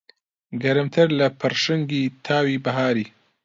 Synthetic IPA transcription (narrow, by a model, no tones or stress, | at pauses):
ɡɐɾɨmt̪ʰɨɾlɐpʰɨɾʃɨŋɡiːt̪ʰaːwibɐɦaːɾiː